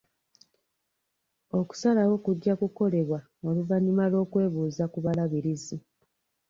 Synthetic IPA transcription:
o̞ku̥salawo̞kuɟːakuko̞le̞βwa | oluvaɲimalo̞ːkwe̞ːβuːzakuβalaβiɾizi

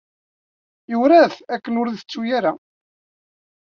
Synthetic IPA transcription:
jʊɾæθækːənʊɾðət͡sːujaɾa

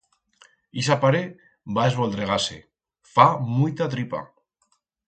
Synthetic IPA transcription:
isapaɾe | baezβold̪ɾeɣasḛ | famujt̪at̪ɾipa̰

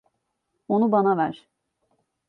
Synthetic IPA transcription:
onubanavæɾ̥

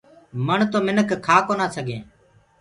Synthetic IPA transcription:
məɳt̪oːmɪnəkkʰaːkoːnaːsəɡẽː

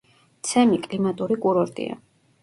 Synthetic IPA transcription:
t̪sʰɛmikʼlimat̪ʼuɾikʼuɾɔɾt̪ʼḭa̰

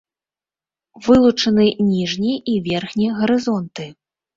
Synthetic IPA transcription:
vɨlˠut͡ʂɐnɨnʲiʐnʲiivʲɛrxnʲiɣɐɾɨzɔnt̪ɨ

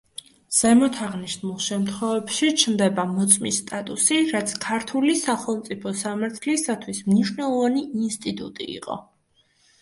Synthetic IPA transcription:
z̥ɛmɔt̪ʰaʁniʃnmulˠʃɛmt̪ʰχɔvɛbʃit͡ʃʰnd̪ɛbamɔt̪sʼmist̪ʼat̪ʼusiɾat̪sʰkʰaɾt̪ʰulisaχɛlˠmt̪sʼipʰɔsamaɾt̪ʰlisat̪ʰwismniʃwnɛlˠɔvaniinst̪ʼit̪ʼṵt̪ʼḭḭqʼɔ̰

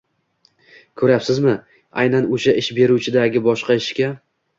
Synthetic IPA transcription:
kʰɵɾapsɪzmɪ | a̰jnanoʃaʔɪʃbe̞ɾut͡ʃʰɪd̪aɡʲɪbɒʃqɑɪʃkʲa

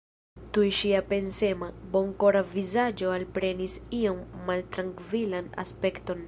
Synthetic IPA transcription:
tujʃiape̞nse̞mabo̞ŋko̞ɾavizad͡ʒo̞alpɾe̞nisio̞mːaltɾaŋkvilana̰spe̞kto̞n

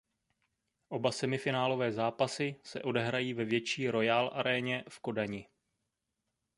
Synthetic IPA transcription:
ʔo̞basɛmɪfɪnaːlo̞vɛːzaːpasɪsɛ̰ʔo̞dɛɦɾajiːvɛvjɛt͡ʃiːɾo̞jaːlʔa̰ɾɛːɲɛfko̞daɲɪ

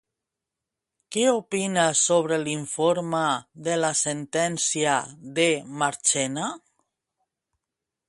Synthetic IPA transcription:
keopinasoβ̞ɾeliɱfoɾmaðelasent̪ɛnsiaðemaɾt͡ʃɛna

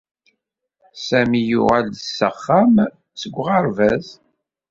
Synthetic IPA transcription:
sæmijʊʁælsːəχːæm | səɡʷːʁəɾvæz

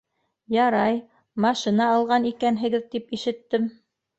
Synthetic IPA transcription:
jɑɾɑj | mɑʃinɑːlˠʁɑnikænɦɘ̆ɡɘðt̪ipiʃɘ̆t̪ːɘm

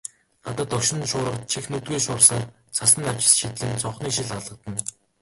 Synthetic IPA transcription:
ɢ̥at̪ə̆t̪ːɔkʃɪ̆nʃʊːɾə̆qt͡ɕʰixnɵt̪̚ɡujʃʊːrsaːr | t͡sʰasə̆nt̪aw̥t͡ɕɪ̥̆sʃit̪ɮɘ̆nt͡sʰɔɴχniːʃ̬iɮaɮə̆q̚t̪ə̆n

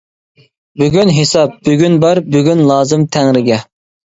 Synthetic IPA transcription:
byɡʲynɦesɑp̚byɡʲynbæɾbyɡʲynlˠɑːzɨmt̪ʰɛŋɾɪɡʲɛ

